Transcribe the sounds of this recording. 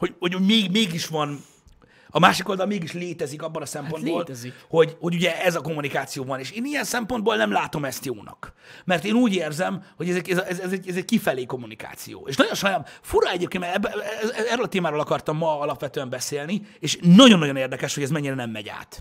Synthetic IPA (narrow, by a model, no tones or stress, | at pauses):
ho̞ɟhoɟoɟmeːɡmeːɡiʃʋɒn | ɒmaːʃiko̞ld̪ɒlmeːɡiʃleːt̪ɛzikɒbːolɒsɛmpo̞nd̪boːltho̞ɟho̞ɟuɟɛɛzɒko̞mːunikaːt̪sijoːvɒneːʃeːnijɛnsɛmpo̞nd̪boːlnɛmlaːt̪o̞mɛst̪joːnɒ̰k | mɛrt̪eːnuːɟeːrzɛmho̞ɟɛzɛɛzʔɛzɛzɛɟɛzɛɟkifɛleːko̞mːunika̰ːt̪sḭjo̰ːḛːʃnɒɟo̞nʃɒjnaːmfuɾɒɛɟeːp̚kenmɛɛbɛɛɛrːøːlɒt̪eːmaːɾoːlɒkɒrt̪ɒmːɒɒlɒpʋɛt̪øːɛmbɛseːlnieːʃnːɒɟo̞nːɒjo̞neːrd̪ɛkɛʃho̞ɟɛzmɛɲːiɾɛnɛmːɛ̰ɟa̰ːt̪